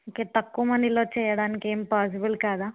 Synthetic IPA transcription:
okeːt̪ɐkːuːmɐniloːt͡ʃɛjɐɽaːnikiempaːs̬ibɐlkaːd̪aː

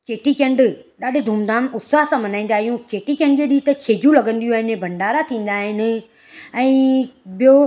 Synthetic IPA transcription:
keːʈikẽɳɖɗaːɖɪd̪ʱuːmd̪aːnʊsaːɦsãmɐnaːĩːn̆d̪aːɦijũkeːʈikẽɳɖd͡ʑeːɗiːt̪ɐkʰeːd͡ʑjũlɐɡə̃nd̪ijũaːɦɪnɪbʱɐ̃ɳɖaːɾat̪ʰĩːn̆d̪aːɦɪnɪ̆ | ɛ̃ːɓijo

